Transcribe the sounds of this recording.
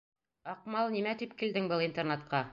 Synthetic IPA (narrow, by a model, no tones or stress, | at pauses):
ɑqmɑlˠnimæt̪ipkild̪ɘŋbɤlˠint̪ernet̪qɑ